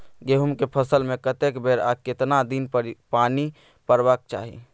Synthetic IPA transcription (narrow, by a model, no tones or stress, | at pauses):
ɡeɦumkepʰəsəlmẽkət̪ekbeɾaket̪nad̪inpaːni | pəɾbək̚t͡ʃa̰ːɦḭ